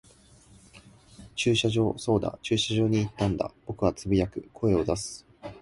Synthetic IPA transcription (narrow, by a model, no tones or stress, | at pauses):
t͡ɕɨːɕaʑo̞ːso̞ːd̪a̰t͡ɕɨːɕaʑo̞ːɲ̟iːt̪ːãnd̪a̰b̥o̞kɯ̟βat͡sɨbʲijakɯ̟kʰo̞e̞o̞d̪asɨ̥